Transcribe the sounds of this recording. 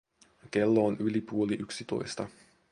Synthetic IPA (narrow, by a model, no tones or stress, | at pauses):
ke̞lːoːnʔylipuo̞liʔyksit̪o̞̰jst̪ɑ